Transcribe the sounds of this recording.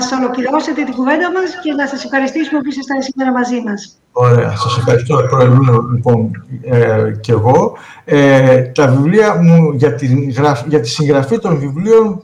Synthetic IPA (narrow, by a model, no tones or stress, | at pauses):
ɐsolociɾooset̪it̪iɡuve̞nd̪ɐmɐsce̞nɐsɐsefxɐɾist̪isumepisɐst̪ɐnisime̞ɾɐmɐzimɐs | o̞ɾe̞ɐ̰sɐse̞fxɐɾist̪opɾoeɾimenolipo̞n | ce̞ɣo̞ | et̪ɐvivliɐmuʝɐt̪iɣɾɐfʝɐt̪i̥siŋɣɾɐfit̪o̞nvivlio̞n